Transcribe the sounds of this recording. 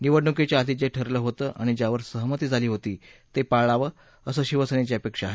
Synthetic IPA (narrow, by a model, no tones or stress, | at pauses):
niʋəɽɳuket͡ɕjaːt̪id͡ʑeʈʰəɾləːɦot̪əːʔaɽ̃id͡ʑjaʋəɾsəɦmət̪iːd͡zʱaliːɦot̪iːt̪epaɭaʋə | əsəːɕiʋəsənet͡ɕiəpekʂaɦe